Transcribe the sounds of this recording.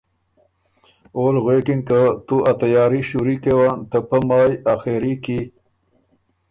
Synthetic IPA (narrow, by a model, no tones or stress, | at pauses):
oːlɣweːkiŋk̪ət̪uʔat̪ajɑːɾiɕuɾikewant̪əpəmɑːjaxeɾiki